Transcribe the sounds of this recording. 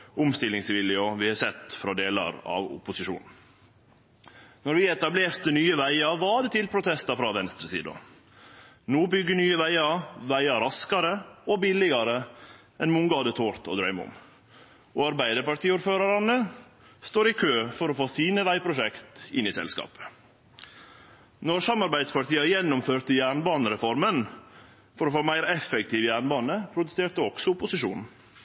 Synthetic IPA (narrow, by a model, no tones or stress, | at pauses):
ʊmst̪ɪlɪŋsʋɪlɪoʋɪhɑsɛt̪ːfɾɑd̪eːlɑ̰ɾɑ̰ʋʊ̰pʊsɪʃṵːnn̩ | nɔɾʋɪɛt̪ɑbleːɾt̪ənyːəʋæɪɑʋɑːd̪ət̪ɪlpʰɾʊt̪ʰɛst̪ɑfɾɑʋɛnst̪ɾəsḭːd̪ɑ̰ | noːbʏɡːənyːəʋæɪɑʋæɪɑɾɑskɑɾəɔbɪlɪɡɑɾə | ɛnmʊŋɡɑːd̪ət̪ʰoːɾt̪ʰɔ̰d̪ɾœʏmʊ̰m | ɔːɑɾbæɪd̪əɾpɑʈ̪iːuːɾføːɾɑɾɑnə | st̪oːɾɪkʰøːfɔɾɔfoːsiːnəʋæɪpʰɾʊʂɛkt̪ɪ̰nɪsɛ̰lskɑ̰ːpə̥ | nɔɾsɑmɑɾbæɪd̪spɑʈiːɑjɛnːʊmføːɾt̪əjæːɳbɑːnəɾɛfɔɾmən | fɔɾɔfoːmæɪɾɛfɛk̚t̪ʰiːʋəjæːɳbɑːnəpʰɾʊd̪ʉseːɾʈ̪əɔɡ̥sɔʊpʊsɪʃṵːn